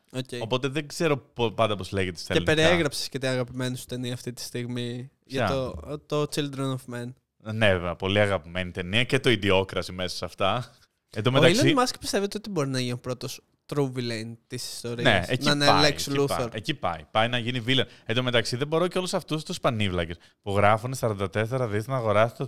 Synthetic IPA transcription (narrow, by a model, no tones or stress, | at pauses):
oceopo̞t̪e̞ðeɡze̞ɾo̞popɐnd̪ɐpo̞zleʝet̪est̪ːelipe̞ɾieɣɾɐpse̥scet̪iɐɣɐpime̞nosu̥t̪e̞niɐːft̪it̪i̥st̪iɣmi | ʝɐot̪ot͡sild̪ɾonovmen | neɐpo̞liɐɣɐpime̞nit̪e̞niɐcet̪o̞id̪io̞kɾɐsime̞so̥sɐft̪ɐ | ed̪omet̪ɐillosimɐskpist̪evet̪eo̞t̪ibo̞ɾinɐʝinupɾo̞t̪os | t̪ɾuvilent̪isi̥st̪o̞ɾineɐsenɐneleksiluθoɾecipɐ̰jpɐjnɐʝinivileoned̪ome̞t̪ɐksiðebo̞ɾoceo̞lusɐft̪ust̪uspɐnivlɐces | puɣɾɐfunesɐɾond̪ɐt̪eseɾɐðist̪nɐːɣo̞ɾɐsi̥t̪o